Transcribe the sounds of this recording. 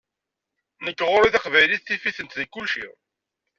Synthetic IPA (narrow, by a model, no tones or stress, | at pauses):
nəkːʁʊɾiθɑqvæjliθːifiθənt̪ðikːʊlʃḭ